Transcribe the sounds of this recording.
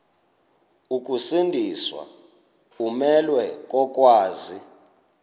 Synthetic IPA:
uk̬ʼusindʱiswa̰ | umɛlwɛk̬ʼɔk̬ʼwaːzi

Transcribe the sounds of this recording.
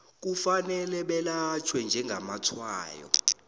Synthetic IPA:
k̬ufanɛlɛɓɛlat͡ʃʰwɛnd͡ʒʱɛŋɡʱamatʰwa̰ːjɔ̰

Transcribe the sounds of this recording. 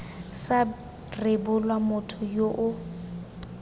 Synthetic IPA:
sa | rɪbʊlwamʊtʰʊjoʔʊ

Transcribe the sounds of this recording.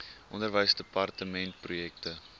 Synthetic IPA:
ʔɔndərvəjsdəpɐrtəmɛnt̚prujɛktə

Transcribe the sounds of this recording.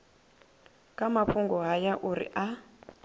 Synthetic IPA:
kʼamafuŋɡɔɦajaʔuɾḭʔa

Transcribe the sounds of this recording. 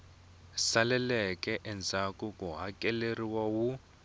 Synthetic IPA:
salɛlɛkɛʔɛnd͡zʱakukʼuɦakʼɛleriwawu

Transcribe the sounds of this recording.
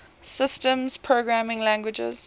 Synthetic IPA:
sɪstə̃mz̥pʰɹoɡɹamɪ̃ŋlæ̃ŋɡwɪd͡ʒɛ̰z̥

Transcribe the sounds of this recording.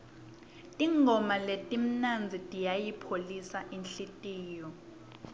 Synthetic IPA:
tʼiŋʱɔmaletʼim̩nand͡zʱitʼijajipʰolisaʔinɬitʼiːjɔ

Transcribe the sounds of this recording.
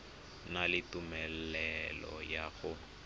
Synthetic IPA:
nalɪtumɛl̩ɛlɔ̰jaɣʊ

